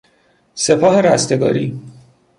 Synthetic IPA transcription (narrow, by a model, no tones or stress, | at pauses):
se̞pʰɒːɦe̞ɾæst̪e̞ɡɒ̰ːɾiː